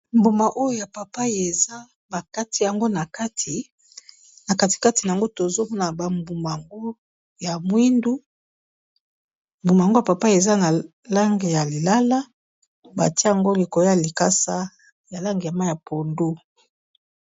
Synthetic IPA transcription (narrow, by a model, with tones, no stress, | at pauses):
mbu˨ma˨ʔo˦jo˦ja˨pa˨pa˦e˨za˦ | ba˨ka˦tʰi˦ja˨ŋɡo˦na˨ka˦tʰi˨ | na˨ka˦ti̥˨ka˦ti˨na˨ŋɡo˦to˨zo˦mɔ˦na˨ba˨mbu˨ma˨a˨ŋɡo˦ | ja˨mwi˦ndu˦ | mbu˨ma˨ŋɡo˦ja˨pa˨pa˦e˨za˦na˨ | la˦ŋɡe˨ja˨li˨la˦la˦ | ba̰˨ti˦ja˨ŋɡo˦li˨ko˨o˦ja˨li˨ka˦sa˦ | ja˨la˦ŋɡe˨ja˨ma˦ja˨pʰo˨ndo˦